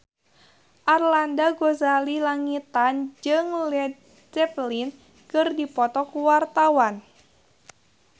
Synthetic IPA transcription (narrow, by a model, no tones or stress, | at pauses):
ʔarlandaɡozalilaŋit̪and͡ʒɨŋl | d͡ʒɛplin | kɨrdipɔt̪ɔkuwart̪awan